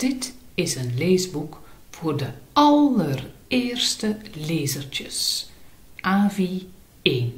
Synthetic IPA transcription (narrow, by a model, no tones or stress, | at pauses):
d̥ɪtɪsənleːzbuk | v̥oːrdəɑləreːrstəleːzərt͡ʃəs | ʔaːvi | eːn